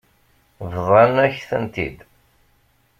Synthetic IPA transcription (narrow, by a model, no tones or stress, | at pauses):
vðˤɑnæçθənt̪ḭd̪